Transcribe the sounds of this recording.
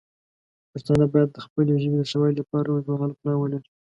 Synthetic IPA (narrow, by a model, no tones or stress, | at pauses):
pəɾt̪ɑnabɑjad̪̚ːəxpəleʒəbeləʃawəjlapɑɾawəzmaɣalplɑwəlaɾi